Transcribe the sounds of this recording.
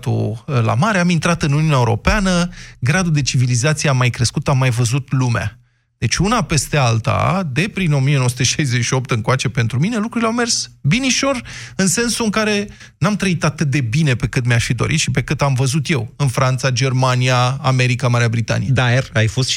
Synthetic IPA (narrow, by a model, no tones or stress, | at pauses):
t̪ṵla̰maɾeamint̪ɾat̪ɨnuniunʲaeuɾo̞̰peanəɡɾad̪ud̪e̞t͡ʃivilizat̪sieamːajkɾe̞skut̪amːajvəzut̪lumea̰ | d̪̥e̞t͡ʃʲunape̞st̪e̞alt̪a̰d̪e̞pɾino̞mijenoosut̪eʃajzet͡ʃʃio̞p̚t̪ɨŋkoat͡ʃe̞pe̞nt̪ɾumine̞lukɾuɾileawme̞rsbiniʃo̞rɨnse̞nsuɨŋkaɾe̞ | namt̪ɾəit̪at̪ɨt̪̚d̪e̞bine̞pe̞kɨnt̪meaʃfid̪o̞̰ɾḭt̪ʃipe̞kɨnt̪amvəzut̪je̞wɨnfɾant̪sad͡ʒe̞rmanijaːme̞ɾikamaɾeabɾit̪a̰nḭjed̪arajfo̞st̪